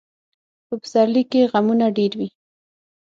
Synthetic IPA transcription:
pəbəzaɾlikeɣamunaɖeɾwi

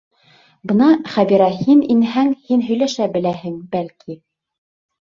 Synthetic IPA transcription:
bɤ̆nɑχæbiɾæhininɦæŋhinɦɵ̆jlæʃæbɘ̆læɦɘ̆ŋbælki

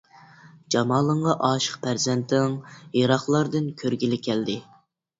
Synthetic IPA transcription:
d͡ʒɑmɑːlˠəɴʁɑʔɑːʃə̥qpʰæɾzɛnt̪ʰɪŋjɑɾɑχlˠɑɾd̪ɨnkʲʰøɾɡʲilɪkʲʰɛld̪ɪ

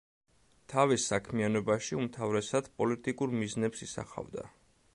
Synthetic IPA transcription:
t̪ʰavisːakʰmianɔbaʃiumt̪ʰavɾɛsad̪̥pʼɔlit̪ʼikʼuɾmiznɛpsisa̰χa̰vd̪a̰

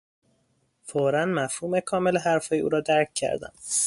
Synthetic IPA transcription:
foɾænmæfhuːme̞kʰɒːmeleɦæɾfɒːjeṵːɾɒːd̪æɾcʰcʰːæ̰ɾd̪æ̰n

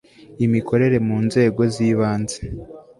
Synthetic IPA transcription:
imikʰo̞ɾe̞ɾe̞muːnze̞ːɡo̞ziːβaːnze

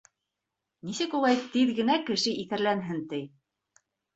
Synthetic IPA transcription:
nisɘkulˠɑjt̪ɘðɡɘ̆nækɘ̆ʃɘʔiθɘ̆ɾlænɦɘnt̪ɘj

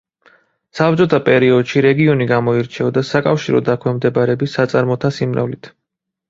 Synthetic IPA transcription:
sap̚t͡ʃʼɔt̪ʰapʼɛɾiɔd̪ʃiɾɛɡiɔniɡamɔiɾt͡ʃʰɛɔd̪asakʼafʃiɾɔ̰d̪akʰwɛmd̪ɛbaɾɛbisːat̪sʼaɾmɔt̪ʰasimɾa̰vlit̪ʰ

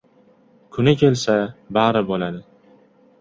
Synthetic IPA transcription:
kʰʊnɪkʲʰe̞lsabaɾɪbolad̪ɪ

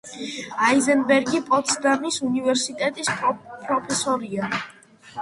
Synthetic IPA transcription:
aizɛnbɛɾɡipʼɔt̪sʰd̪aɾnisunivɛɾsit̪ʼɛt̪ʼispʼɾɔpʰɛsɔɾia

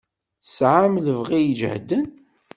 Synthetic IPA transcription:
sʕamləvʁijəd͡ʒ̰hd̪ːən

